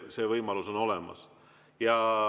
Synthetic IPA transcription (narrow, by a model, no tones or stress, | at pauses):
se̞vɤjmɑluso̞no̞le̞mɑ̰s | jɑ